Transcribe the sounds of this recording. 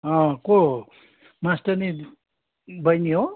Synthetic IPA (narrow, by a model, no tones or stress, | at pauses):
ɦʌ̃ko | masʈʌni | bʌjniɦo